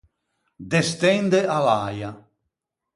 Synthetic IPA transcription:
d̪est̪ɛnd̪ealaja

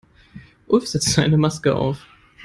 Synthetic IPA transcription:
ʔʊlfz̥ɛt͡stz̥aɪnəmaskəʔa̰ʊf

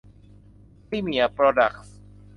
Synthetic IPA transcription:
pɾimiapɾɔdak̚s

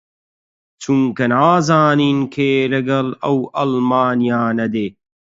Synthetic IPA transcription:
t͡ɕʰuŋkɐnaːzaːniːnkʰeːlɐɡɐlɐwɐlmaːnijaːnɐd̪eː

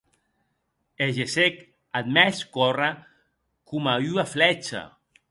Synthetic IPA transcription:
eʒesek | ad̪̚mɛskɔra | kumayaflɛt͡ʃa̰

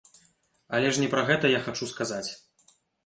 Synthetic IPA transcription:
ɐlʲɛʂnʲɛpɾɐɣɛt̪ɐjaxat͡ʂuskazat͡sʲ

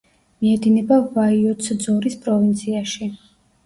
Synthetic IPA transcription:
miɛd̪inɛbavaiɔt̪sd̪zɔɾispʼɾɔvint̪sʰiaʃi

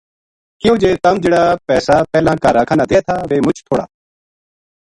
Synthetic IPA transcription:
kɪoːd͡ʒeːt̪ɐmd͡ʒeːɽaːpɛːsaːpɛːlãːkaːɾaːkʰaːnaːd̪ʱeːt̪ʰaːʋeːmʊt͡ʃʰt̪ʰoːɽa̰ː

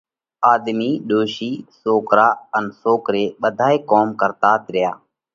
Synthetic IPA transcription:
aːd̪miːɗoːʃiːsoːkɾaːənsoːkɾeːɓəd̪ʱaːeːkoːmkəɾt̪aːt̪ɾɪja̰ː

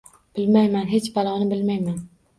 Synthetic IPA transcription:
b̥ɪlmajmanɦet͡ʃbalˠɒnɪbɪlmajman

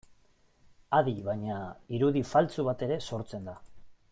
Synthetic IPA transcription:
aðiβajɲaiɾuðifalt͡suβat̪e̞ɾe̞so̞ɾt͡se̞nd̪a

